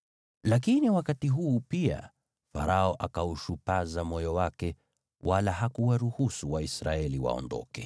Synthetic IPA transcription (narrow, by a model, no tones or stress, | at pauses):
lak̬iniwakatiɦuːpia̰ | fa̰ɾʔaɔʔakauʃupazamɔjɔwakɛ | wʔalaɦakuwaɾuhusuwaisɾaɛliwa̰ɔ̰ndɔ̰kɛ